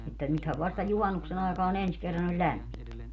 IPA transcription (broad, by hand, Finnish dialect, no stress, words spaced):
etːæ nythæʋ ʋɑstɑ juhɑnːuksen ɑˑekɑːn ens kerːɑn olʲ lʲæmːint